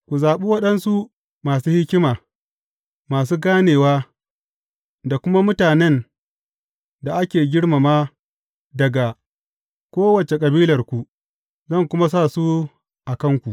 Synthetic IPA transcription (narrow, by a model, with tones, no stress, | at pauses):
kʷu˨zaː˨ɓu˦wɐ˦ɗɐ˦nsu˦ | maː˨suː˦hɪ˦kʲɪ˦maː˨ | maː˨s̬uː˦ɡaː˦neː˨waː˦ | da˨kʷʊ˦ma˦mʊ˦taː˨nɛ˦n | da˨ʔa˦kʲeː˨ɡʲɪ˦ɽma˨maː˦ | dɐ˨ɡa˨ | kʷoː˦wɐ˨t͡ʃe˨kʼɐ˨biː˦lɐ˨rkʷu˨ | zɐ˦˨ŋkʷʊ˦ma˦s̬a˦˨su˦ | ʔa˨kɐ˦ŋkʷu˨ʔ